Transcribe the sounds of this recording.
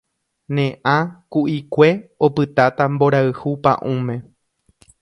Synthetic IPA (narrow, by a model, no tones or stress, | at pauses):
nẽʔãkuʔikʷe̞opɨt̪at̪ambo̞ɾaɨhupã̰ʔũmẽ̞